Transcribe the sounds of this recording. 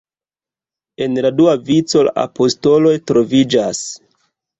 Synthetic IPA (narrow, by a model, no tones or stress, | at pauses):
e̞nladuavit͡so̞la̰ʔa̰po̞sto̞lo̞jtɾo̞vid͡ʒas